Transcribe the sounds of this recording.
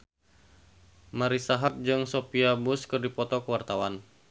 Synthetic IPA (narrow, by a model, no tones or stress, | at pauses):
maɾisaɦat̪̚d͡ʒɨŋsopiabʊskɨrdipɔt̪ɔkəwart̪awan